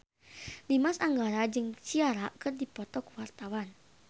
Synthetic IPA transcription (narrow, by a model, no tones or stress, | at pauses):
limasaŋɡaɾad͡ʒɨŋt͡ʃiaɾakɨrdipɔt̪ɔkwart̪awan